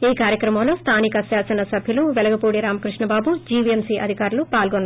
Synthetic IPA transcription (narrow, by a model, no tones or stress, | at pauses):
iːkaːɾjɐkɾɐmɐmlo̞ːst̪ʰaːnikɐsaːsɐnɐsɐbʱjɐluʋɛlɐɡɐpuːɽiɾaːmɐkɾiʂɳɐbaːbud͡ʒiːʋiemsiːʔɐ̰d̪ʱikaːɾulupaːlɡonːa